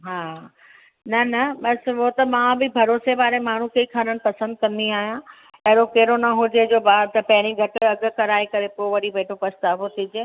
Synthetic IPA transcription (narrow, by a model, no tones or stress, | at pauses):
ɦaː | nɐnɐɓɐsot̪ɐmãbɪbʱɐɾoːseʋaːɾemaːɳ̤ũkʰeikʰaːnənɪ̆pɐsə̃nd̪̚kɐ̃nd̪iaːɦijã | ɛɾokeːɾonɐɦʊd͡ʑed͡ʑoːbaːb̚t̪ɐpɐ̃ɦɪ̃ɽ̃iɡʱɐʈɪɐɡ̆kɐɾaːikɐɾepoːʋɐɗibeːʈʰopɐst̪aːbot̪ʰiːd͡ʑe